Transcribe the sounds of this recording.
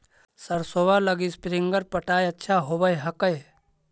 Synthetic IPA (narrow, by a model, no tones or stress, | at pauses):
səɾsoːʋaləɡispɾɪ̃ŋɡəɾpəʈaːjɐtːʃʰaɦoːbəjɦɐkəj